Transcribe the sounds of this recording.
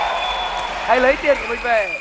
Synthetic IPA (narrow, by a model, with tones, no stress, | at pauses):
ha˧jlə˨˦jt̪i˧ənku˧˩mï˨˩ŋ̟ve˨˩